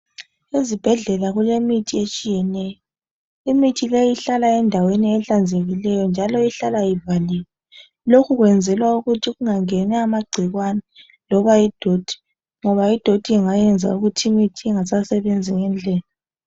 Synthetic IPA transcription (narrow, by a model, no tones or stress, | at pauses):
ezib̥ʱɛɮɛlaɣulemitʰiet͡ʃʼijɛnɛjɔ | imitʰilejiɬalaɛndʱaweniɛɬand͡zʱeɣilɛjɔnd͡ʒʱalɔiɬalajivalilɛ | lokʰuɣwɛnd͡zʱɛlwauɣutʰiɣuŋaŋɛnaːmaɡ͡ǀʱiɣwanɛ | lɔβaid̥ʱod̥ʱi̥ | ŋɔβaid̥ʱod̥ʱiiŋajɛnd͡zʱa̰uɣutʰiimitʰiɛŋasasɛβend͡zʱiŋɛnd͡ɮʱɛːla